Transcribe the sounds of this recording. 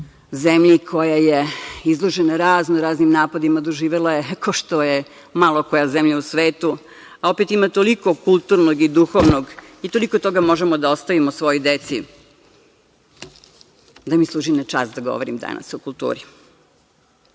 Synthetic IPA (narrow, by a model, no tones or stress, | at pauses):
zemʎikʰojajeizlˠoʒenaɾaːznoɾaːznimnaːpad̪imad̪oʒiːʋelajekʰoʃt̪oje | malˠokojazemʎausʋeːt̪u | aopet̪imat̪olikokulˠt̪uɾnoɡid̪uxoʋnoɡit̪o̞likot̪oɡamoʒemod̪aost̪aʋimosʋo̞jojd̪et̪sḭ | d̪amislˠuːʒinat͡ʂa̰sd̪aɡo̰ʋoɾimd̪a̰na̰sokulˠt̪ṵːɾi